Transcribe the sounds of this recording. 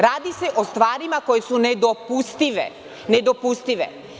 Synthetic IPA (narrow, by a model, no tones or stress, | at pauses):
ɾaːd̪ise̞ʔost̪ʋaːɾimako̞jesuned̪opust̪iʋḛ | ned̪opust̪iʋḛ